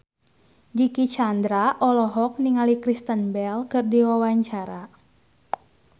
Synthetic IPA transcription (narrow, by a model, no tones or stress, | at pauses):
d͡ʒikit͡ʃand̪ɾaʔɔlɔɦɔk̚niŋalikɾist̪ənbɛlkɨrdiwawaɲt͡ʃaɾa